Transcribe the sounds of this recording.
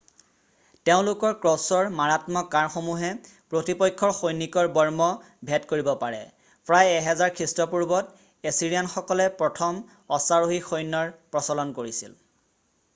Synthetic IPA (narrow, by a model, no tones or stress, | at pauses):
teʊ̃lʊkɔɹkɹɔsɔɹmaɹatmɔkaɹxomuɦɛ | pɹotipɔjkʰːɔɹxojnikɔɹbɔɹmɔ | bʱɛtkoɹibɔpaɹɛ̰ | pɹajɛɦɛzaɹkʰistɔpuɹbɔt | esiɹijanxɔkɔlɛpɹɔtʰɔm | ɔsaɹoɦixojnːɔɹpɹɔsɔlɔnkoɹisḭl